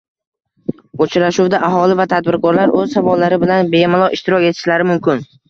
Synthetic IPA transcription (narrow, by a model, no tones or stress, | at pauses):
ot͡ʃʰɾaʃuwd̪aʔaɦɒlɪvat̪ʰad̪̚bɪɾkʰɒɾlaɾɵzsavɒlːaɾɪbɪlanbe̞mɪlˠɒʔɪʃt̪ɪɾɒkʲe̞t̪ʰɪ̥ʃlaɾɪmʊmkʲɪn